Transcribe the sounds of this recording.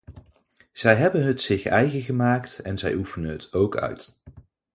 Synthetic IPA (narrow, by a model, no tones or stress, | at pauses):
z̥ɛjɦɛbənɦətsɪχɛjɣəχəmaːktɛnzɛjufənənɦətowkœ̰ɥt